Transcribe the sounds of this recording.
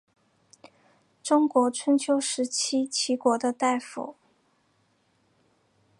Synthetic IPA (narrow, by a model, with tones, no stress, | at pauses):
ʈ͡ʂʊ˥ŋkwɔ˧˥ʈ͡ʂʰə˧˥nt͡ɕʰjo˧˥ʊʂɻ̩˧˥t͡ɕʰi˥t͡ɕʰi˧˥kwɔ˧˥d̪ə˧t̪a˥˩ɪfṵ˨˩˦